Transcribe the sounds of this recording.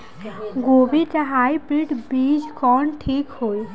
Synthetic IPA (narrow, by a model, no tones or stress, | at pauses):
ɡobitaɦajpɾiʈbid͡ʒkɔɳʈʰikhoj